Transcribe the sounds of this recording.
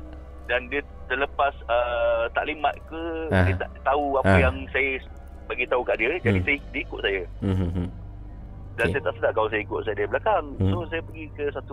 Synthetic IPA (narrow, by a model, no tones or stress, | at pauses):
dandiə | t̪ələpasət̪a̰ʔlimat̪̚kəat̪a̰ʔt̪auapəjaŋsajə | baɡit̪aukaʔdiəd͡ʒadisajdiəikʊt̪̚sajə | dansajət̪aʔsədaʔkaus̬ajəikʊt̪̚sajədiəblakaŋsos̬ajəpəɡikəsat̪u